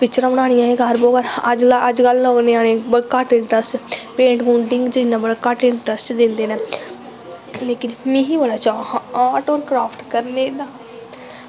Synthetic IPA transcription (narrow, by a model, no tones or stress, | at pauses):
pɪkt͡ʃɾãːbəɽ̃aːɽɪjãːeːɡaɾboːɡəɾəd͡ʒlaəd͡ʒɡəlːoːɡneːaːnẽːbəkaʈɪɳʈɾəsʈpẽːɳʈɡũːɳɖɪŋɡd͡ʒɪnãːbəɽaːkəʈɪɳʈɾəsʈd̪ɪ̃nd̪eːnɛ̃ː | leːkɪnmĩːɦiːbəɽaːt͡ʃaaːʈoːɾkɾaːpʰʈkəɾneːd̪aː